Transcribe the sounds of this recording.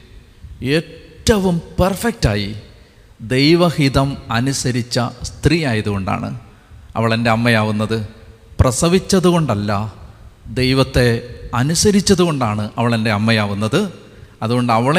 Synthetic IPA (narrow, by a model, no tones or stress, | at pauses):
eːʈːɐʋumpɐrfek̚taːji | d̪e̞jʋɐhiðɐmɐnusɐɾit͡ɕːɐst̪rijaːjɐðuɣo̞ɳɖa̰ːɳɨ̰ | ɐ̰ʋiɭende̞ɐmːɐjaːʋunːɐðɨ | prɐsɐʋit͡ɕːɐðuɣo̞ɳɖɐlːɐ | d̪ejʋɐt̪ːe̞ɐnusɐɾit͡ɕːɐðuɣo̞ɳɖaːɳɨʔɐʋiɭende̞ɐmːɐjaːʋunːɐðɨ | ɐðuɣo̞ɳɖɐʋiɭ